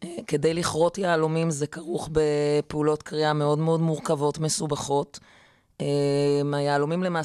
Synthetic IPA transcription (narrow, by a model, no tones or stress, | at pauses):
eke̞de̞jliχʁo̞tjaːlomimzekaʁuχbe̞peulotkʁiame̞o̞dmeo̞dmuʁkavo̞tme̞subaχo̞t | emajaːlomimlemaː